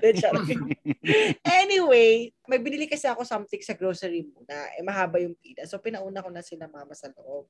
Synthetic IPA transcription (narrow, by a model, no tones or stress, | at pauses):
d̪ɛʃɐɾ | ʔɛnɪwejmɐjbɪnilɪkɐsɛɐko̞samt̪ɪŋsɐɡɾoːsɛɹimuːnɐʔɛ̰mɐɦaːbɐjʊŋp̪iːlɐsopɪnɐʔuːnɐkonɐsɪlamamɐsɐlo̰ʔob̚